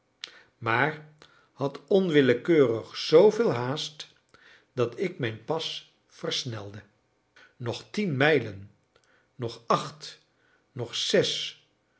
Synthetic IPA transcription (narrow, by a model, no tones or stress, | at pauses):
maːɹ | hɑtɔnʋɪləkøːrəχsowvɪːlˠɦaːst | dɑtɪkmɛjnpɑs | fəɹsnɛlˠdə | nɔχtinmɛjlənː | ɔχɑχt | nɔχsɛs